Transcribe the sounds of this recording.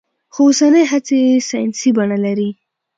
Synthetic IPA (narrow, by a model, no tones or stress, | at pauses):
xoosanəjɦat͡sejesajnsibaɳalaɾi